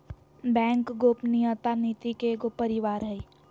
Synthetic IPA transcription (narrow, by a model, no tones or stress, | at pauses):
bɛ̃ːŋkɡoːpniət̪aniːt̪ikeɡopəɾɪʋaːɾɦɛi